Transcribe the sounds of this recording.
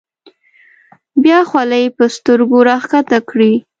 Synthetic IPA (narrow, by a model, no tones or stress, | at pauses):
bjɑxwɑlajepəst̪əɾɡoɾɑxkat̪akɽi